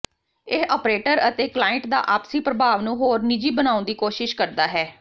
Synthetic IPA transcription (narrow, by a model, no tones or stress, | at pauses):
ɪɦɔːpɾeːʈəɾət̪eːklaːɪɳʈd̪a̰ːʔaːpsiːpɾəbʱaːʋnũːɦoːɾnɪd͡ʒiːbənaːʊ̃nd̪iːkoːʃɪʃkəɾd̪aːɦɛː